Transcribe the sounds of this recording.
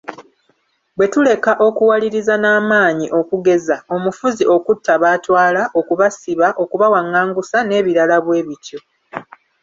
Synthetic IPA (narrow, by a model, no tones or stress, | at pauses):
bwe̞tule̞kaʔo̞kuwaliɾizanaːmaːɲiʔo̞kuɡe̞zao̞mufuziʔo̞kutʰːaβaːtwaːlaʔo̞kuβasiβaʔo̞kuβawaŋːaːŋɡusane̞ːβiɾalaβwe̞ːβico̞